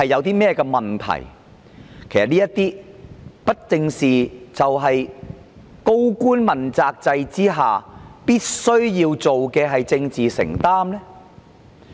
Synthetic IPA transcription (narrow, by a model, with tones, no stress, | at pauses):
hɐ˨jːɐ˨˧wt̪iː˥mɛː˥kɛː˧mɐ˨˩nt̪ʰɐ̰˨˩j | kʰe˨˩jsɐ˩tniː˥jɐ˥t̪iː˥pɐ˥t̚t͡sɪ˧ŋsiː˨˩t͡sɐ˨wɦɐ˨j | ko˥wkuː˥nmɐ˨˩nt͡saː˧k̚t͡sɐ˧jt͡siː˥ɦaː˨piː˥t̚sɵ˥ɥjiː˧wt͡so˨wkɛː˧ɦɐ˨jt͡sɪ˧ŋt͡siː˨sɪ̰˨˩ŋt̪aː˥mlɛ˥